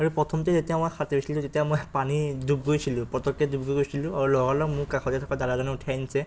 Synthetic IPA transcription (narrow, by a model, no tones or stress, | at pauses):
aɹupɹɔtʰɔmtɛzetijamakxateisilũtetijamojpanidub̚ɡojsilʊ̃pɹɔtɔkːɛdub̚ɡoɡojsilʊ̃aɹulɔɡalɔkmʊkaxʰɔtɛtʰɔkadadazɔnɛʊtʰajnisɛ